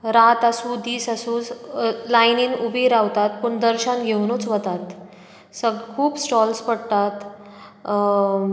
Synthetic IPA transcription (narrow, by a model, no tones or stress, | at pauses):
ɾat̪asud̪iːsasuːslajniːnubʱiɾaʋt̪at̪̚puɳd̪əɾɕanɡʱewnut͡sʋət̪at̪ | səɡkʰuːpsʈɔlspəɽt̪at̪